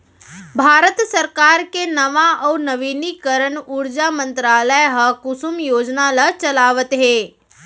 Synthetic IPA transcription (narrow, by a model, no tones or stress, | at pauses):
bʱaːɾət̪səɾkaːɾkenɐʋaʔɔːnəʋiːnikəɾəɳʊɾd͡ʒamə̃nt̪ɾaːləjɦɐkʊsumjoːd͡ʒnalɐt͡ʃɐlaːʋət̪ɦeː